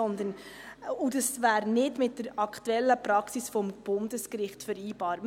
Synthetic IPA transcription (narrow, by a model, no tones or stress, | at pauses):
ɔnd̪ənudɑsvæːɾnɪdmɪt̚dəɾɑkt̪uɛlːəpɾɑksisfɔmb̥ʊndəskɾɪχtfəɾiːb̥ɑːɾ